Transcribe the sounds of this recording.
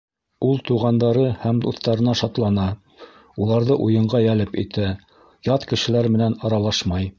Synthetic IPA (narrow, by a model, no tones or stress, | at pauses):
ulˠt̪uʁɑnd̪ɑɾɤhæmd̪uθt̪ɑɾɤ̆nɑʃɑt̪lˠɑnɑ | ulˠɑɾðɤʔujɤ̆ɴɢɑjælɘpḭt̪æ | jɑt̪kɘ̆ʃɘ̆læɾmɘ̆nænɑɾɑlˠɑʃmɑj